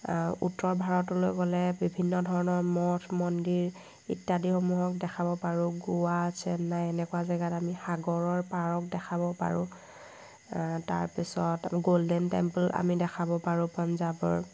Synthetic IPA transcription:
ṵtːɔɹbʱaɹɔtʊlojkɡɔlɛbibʱinːɔdʱɔɹɔnɔɹmɔtʰmɔndiɹ | ḭtːadixomuɦɔk̚dɛkʰabɔpaɹʊ̃ɡuwasɛnajɛnɛkʊazɛɡatamixaɡɔɹɔɹpaɹɔk̚dɛkʰabɔpa̰ɹʊ̰̃ | ta̰ɹpisɔtɡoldɛntɛ̰mpla̰midɛkʰabɔpaɹʊ̃panzabɔ̰ɹ

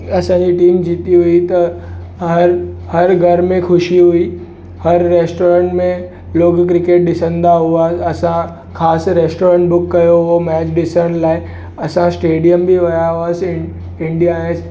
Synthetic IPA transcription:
ɐsãːɲd͡ʑiʈiːmd͡ʑiːt̪iɦuit̪ɐ | ɦɐɾhɐɾɡʱɐɾmẽxʰʊʃiɦʊi | hɐɾːeːsʈoːɾə̃ɳʈmẽ | loːɡkɾɪkeːʈ̚ɗɪsə̃nd̪aɦuaːɐsã | xaːsɾeːsʈoːɾə̃ɳʈ̚bʊkːɐjoomɛːt͡ɕɗɪsəɽ̃laːɪ | ɐsãsʈeːɖijəmbiʋɐjaɦuaːs | ɪ̃ɳɖijaes

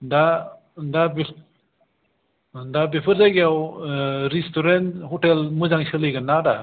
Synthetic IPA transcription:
da | dabe | dabepʰəɾzajɡjaw | ɾistuɾenthɔʈelmɯzaŋsɯlɯjɡɯnːada

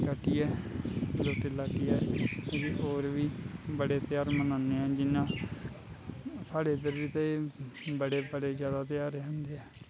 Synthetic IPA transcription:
kaːʈiːɛːloːʈelaːkiːɛːʋiːʔoːɾʋiːbəɽeːt̪ɪjaːɾmənaːneːɛːd͡ʒɪnːãː | saːɽeːd̪əɾʋiːt̪e | bəɽeːbəɽeːzjaːd̪aːt̪ɪjaːɾeɦʊ̃nd̪eːɛː

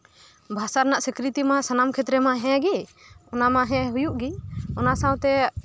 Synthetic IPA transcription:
bʱasaɾnaʔsikɾit̪imasanamkʰɛt̪ɾɛmaɦɛ̃ɡiɔnamaɦɛ̃ɦujuʔɡiɔnasãw̃t̪ɛ

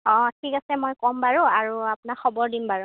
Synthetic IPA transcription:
ɔ̃tʰikasɛmojkɔmbaɹʊ̃aɹuapʊnaxʰɔbɔɹdimbaɹʊ̃

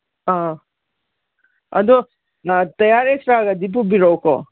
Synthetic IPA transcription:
a | ɐ̰d̪o | t̪ɐjaːɾesɾaːɡɐd̪ip̬ubiɾɔwko̰

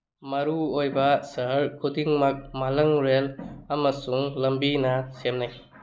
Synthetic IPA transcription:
mɐɾuojbɐsɐɦɾkʰudiŋmak̚malɐŋɾelɐmɐsuŋlɐmbinɐsemnaj

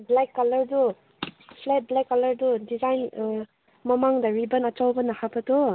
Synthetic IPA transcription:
blakːɐlɐɾdu | pʰlet̚blakːɐlɐɾdudizajn | mɐmaŋdɐɾibɐnɐt͡ʃawbɐnɐhapɐtu

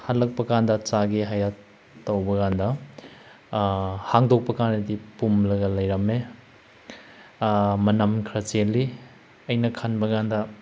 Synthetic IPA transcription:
halɐk̚pɐkandɐt͡ʃaɡiɦajat | tːɐwbɐɡandɐ | haŋdʱok̚pɐkandɐdipumlɐɡɐlɐjɾɐme | mɐnɐmkʰɾɐt͡ʃelːi | ɐjnɐkʰanbɐkandɐ

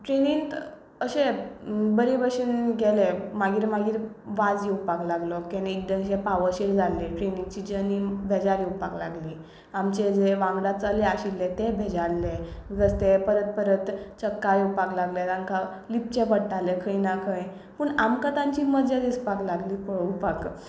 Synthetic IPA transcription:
ʈɾenint̪ | əɕebəɾebəɕinɡɛlemaɡiːɾmaɡiːɾ | ʋad͡zjewpaklaɡlɔkɛneek̚d̪ə̃ŋɕepaʋəɕeɽd͡zʱaleʈɾeniŋt͡ɕid͡ʑənibʱed͡zaɾiupakla̰ɡli | amt͡ɕed͡zeʋãŋɡɽat͡saleaɕilːẽt̪ẽbʱed͡ʑaɽled͡zəst̪epəɾət̪̚pəɾət̪t͡səkːaɾeupaklaɡlet̪ãŋka | lip̚t͡ɕẽpəɽʈalekʰəjnakʰə̃j | pəɳamkãt̪ãɲt͡ɕiːməd͡zad̪ispaklaɡliːpəɭupak

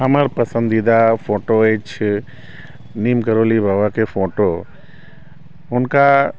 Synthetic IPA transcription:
ɦɐməɾpɐsə̃nd̪id̪afoːʈoeːt͡ʃʰ | niːmkəɾoːlibʱaːbakefoːʈo | ɦʊnka

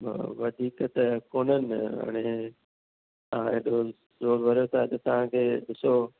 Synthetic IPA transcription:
ʋɐd̪ʱiːkt̪ɐkoːnənɪɦa̰ːɽ̃e | t̪ɐãːeːɗo | zoːɾbʱɐɾijot̪ʰat̪ɐt̪ɐʋ̤ãkʰeːɗɪso

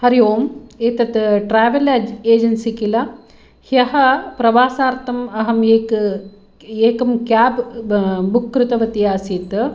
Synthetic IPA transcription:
hɐɾijoːmeːt̪ɐt̪ʈɾaːʋɐlɐd͡ʒeːd͡ʒɐnsikilɐ | hjɐɦɐpɾɐʋaːsaːɾt̪ɐmɐɦɐmeːk | eːkɐmkaːb | bukːɾut̪ɐʋɐt̪ijaːsiːt̪

